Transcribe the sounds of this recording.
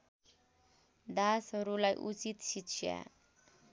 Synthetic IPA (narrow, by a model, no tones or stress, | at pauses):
d̪asɦʌɾulajʔut͡sit̪sit̪sʰja̰